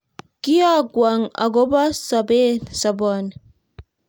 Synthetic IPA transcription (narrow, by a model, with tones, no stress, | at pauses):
ki˦a˦ɡwa˨ŋa̰˨ɡo˦ba˦sa˨be˦sa˨bɔn